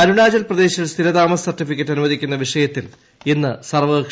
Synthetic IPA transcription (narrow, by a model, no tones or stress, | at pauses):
ɐɾuɳaːd͡ʑɐlprɐd̪e̞ːɕilst̪ʰiɾɐd̪aːmɐsɐrtːifikʲːɐtːɐnumɐðikʲːunːɐʋiʂɐjɐt̪ːil | enːɨsɐrʋɐkʂ